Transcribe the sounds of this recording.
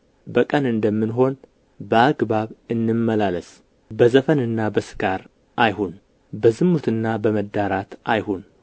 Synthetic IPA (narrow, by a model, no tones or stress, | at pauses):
bəkʼənɨnd̪əmːɨnɦo̞n | bəaɡbaβɨnːɨmːəlaləs | bəzəfənɨnːabəsɨ̥ɡaɾ | ʔajhun | bəzɨmːut̪ɨnːabəməd̪ːaɾat̪ʔajhun